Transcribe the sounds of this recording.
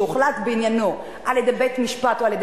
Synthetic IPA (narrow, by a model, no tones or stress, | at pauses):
uχlat̪beinjano | ʔaljed̪ebet̪miʃpatoaljed̪